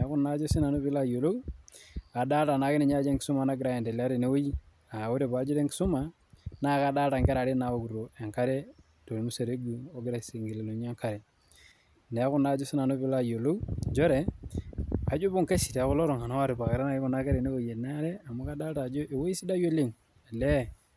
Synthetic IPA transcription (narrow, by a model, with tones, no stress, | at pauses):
ne˨˦ku˦na˦d͡ʒo˦si˦na˨nu˦pi˦la˦˨jo˨lo˦ | a˨da˦lta˨na˨ki˦ne˨ɲa˦d͡ʒe˦ŋki˨su˦ma˨na˦ɡɾa˨˦e˨nde˨la˦ɾe˨ne˦wo˦ji˦ | a˨wu˦ɾe˨ba˨˦d͡ʒo˦ɾe˦ŋki̥˨su˦ma˨ | na˦˨ka˦da˦lta˨ŋke˦ɾa˨ɾe˦na˨o˦ku˨ɾo˨e˨ŋka˦ɾe˦ | to˨lmu˦se˨ɾe˦ɡu˨o˦ɡɾa˨se˨ŋɡi˨le˨lo˨ɲa˦ŋka˦ɾe˨ | n˨˦ku˦na˦d͡ʒu˦si˦na˨no˦bi˦la˦jo˨lo˦d͡ʒo˦ɾe˨ | a˨d͡ʒu˦bu˦ŋke˦si˨te˨ku˦lo˦ɾo˨ŋa˨na˦wa˦ɾe˨ba˨ke˨ɾa˦na˦i˦ku˨na˦ke˦ɾe˨ne˦o˦˨je˨na˦ɾe˦a˨mu˦ka˦da˦lta˨d͡ʒo˦ʔe˨wo˦i˦si˦da˦jo˦li˦ŋ˨ | le˦